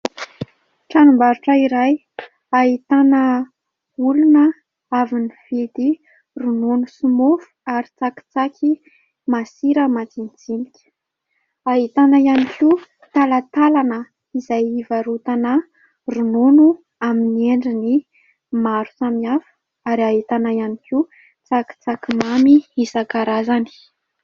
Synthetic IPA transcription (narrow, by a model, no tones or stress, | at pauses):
ʈ͡ʂanumbaɾuʈ͡ʂəiɾaj | aɦit̪anə | ulunə | aviniv̥ed̪i | runonusumofu̥aɾit͡saki̥t͡sakʰʲi | masiɾəmat͡s̪int͡sinikʲ | aɦit̪anaianikʰi | t̪alat̪alanə | izajivaɾut̪anə | rununu | aminieɳɖ͡ʐini | maɾusamiafə̥ | aɾiaɦit̪anajaniki | t͡saki̥t͡sakimamiisakaɾazani̥